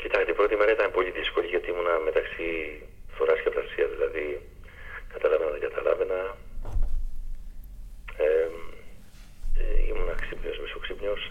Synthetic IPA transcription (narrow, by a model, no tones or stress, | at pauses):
cit̪ɐkst̪epɾo̞t̪ime̞ɾɐit̪ɐnpo̞liðisko̞lʲiʝot̪iimunɐme̞t̪ɐksi | θo̞ɾɐscept̪ɐsiɐzðilɐði | kɐt̪ɐlɐvenɐðeɡɐt̪ɐlɐ̰ve̞nɐ | e | eḭmunɐksipɲo̞zmiso̞ksipɲos